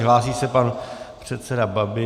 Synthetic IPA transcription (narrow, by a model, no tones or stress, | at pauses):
ɦlaːsiːsɛpanpr̝̥ɛt̪sɛdababɪ